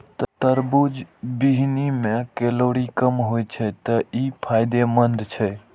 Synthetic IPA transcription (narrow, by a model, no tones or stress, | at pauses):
t̪ət̪əɾbud͡ʒbiɦnimẽkeloːɽikəmɦojt͡ʃʰɛt̪əipʰaːɪd̪emənd̪t͡ʃʰɛ